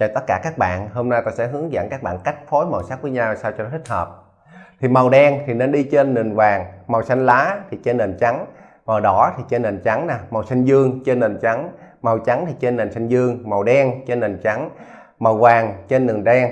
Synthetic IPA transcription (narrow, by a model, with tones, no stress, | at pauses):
t͡ɕɔ˧˩t̪ə˦˥t̚kːaː˧˩kaː˦˥k̚ɓa̰ː˧˨nho˧mna˧jt̪ɔ˧˩sɛ̰˧˥ɦɨ˨˦əŋza̰ː˧˨ŋkaː˦˥k̚ɓa̰ː˧˨nka˦˥jk̟̚fʰo˨˦jma˨˩wsaː˦˥t̚vəː˨˦ɲa˧wsaː˧wt͡ɕɔ˧˦t̪i˦˥k̟̚həː˨˩p̚ | t̪ʰi˨˩ma˨˩wɗɛ˧ŋt̪ʰi˨˩ne˧nɗi˧t͡ɕe˧nːɨ˨˩ənvaː˨˩ŋma˨˩wsa˧jŋ̟laː˨˦t̪ʰi˨˩t͡ɕe˧nːe˨˩nt͡ɕa˨˦ŋ | ma˨˩wɗɔ˧˩˦t̪ʰi˨˩t͡ɕe˧nːe˨˩nt͡ɕa˨˦ŋnaː˨˩ma˨˩wsa˧jŋ̟zɨ˧əŋt͡ɕe˧nːe˨˩nt͡ɕa˨˦ŋma˨˩wt͡ɕa˨˦ŋt̪ʰi˨˩t͡ɕe˧nːe˨˩nsa˧jŋ̟zɨ˧əŋma˨˩wɗɛ˧ŋt͡ɕe˧nːe˨˩nt͡ɕa˨˦ŋ | ma˨˩wvaː˨˩ŋt͡ɕe˧nːɨ˨˩nɗɛ˧ŋ